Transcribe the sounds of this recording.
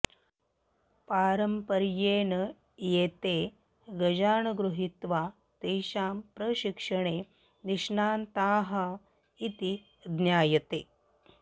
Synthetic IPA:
paːɾɐmpɐɾjeːnɐ | jeːt̪eː | ɡɐd͡ʒaːɳɐɡɾuɦit̪ʋaː | t̪eːʃaːmpɾɐɕikʂɐɳeː | niʂɳaːnt̪aːɦɐ | it̪i | d̪njaːjɐt̪eː

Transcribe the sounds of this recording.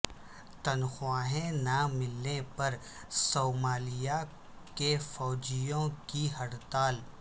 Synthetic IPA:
t̪ɐnxwaːɦẽnamɪlnepɐɾ | soːmaːlɪja | kefɔːd͡ʒijõkiɦɐɽt̪aːl

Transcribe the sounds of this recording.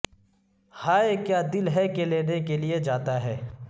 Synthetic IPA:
haːekjaːd̪ɪlɦɛkeleːnekelied͡ʒaːt̪aɦɛː

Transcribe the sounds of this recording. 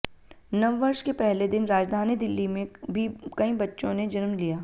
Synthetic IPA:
nɐʋːɐɾʃkepɛɦled̪ɪnɾaːd͡ʒd̪ʱaːnid̪ɪlːimẽbʱikɐĩbɐtːʃõned͡ʒɐɾmlijaː

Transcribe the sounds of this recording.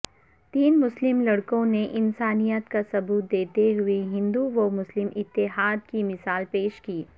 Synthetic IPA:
t̪iːnmʊslɪmlɐɽkõneʔɪnsaːnijət̪kasɐbuːt̪̚d̪eːt̪eɦʊiɦɪ̃nd̪uʋomʊslɪmʔɪt̪ːɪɦaːd̪kimɪsaːlpeːʃkiː

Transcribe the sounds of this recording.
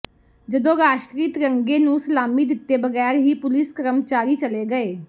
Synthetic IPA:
d͡ʒəd̪õːɾaːʃʈɾiːt̪ɾəŋɡeːnũːsəlaːmiːd̪ɪt̪ːeːbəɡɛːɾɦiːpʊlɪskəɾəmt͡ʃaːɾiːt͡ʃəleːɡəeː

